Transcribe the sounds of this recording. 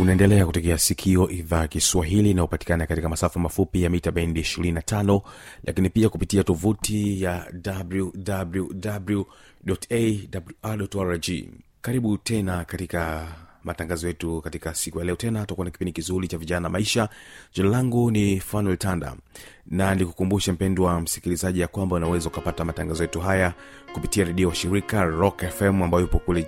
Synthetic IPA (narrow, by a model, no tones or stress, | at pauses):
unaɛndɛlɛakutɛkɛasikʰiɔʔiðaːjkiswaɦilinaupati̥kanakatikamasafamafupijamitaɓɛndiiʃiɾininatʰanɔlʔa̰kinipiakupitiatɔvutijadabludabludablu | ɗɔtedabluaɗɔtaɾad͡ʒḭ | kaɾiɓutɛnakatikamataŋɡazɔjɛtukatikasikujalɛɔtɛnatuakuanaki̥pindikizuɾit͡ʃaviʄanaamaiʃad͡ʒɔnalaŋɡunifanwɛltanda̰ | nanilikukumbuʃam̩pɛnduwam̩si̥kilizaʄijakwambaunawɛzaukapatamataŋɡazɔjɛtuɦaja | kupitiaɾɛɗiɔwaʃiɾikaɾɔkɛfɛmambajɔjupɔkulɛ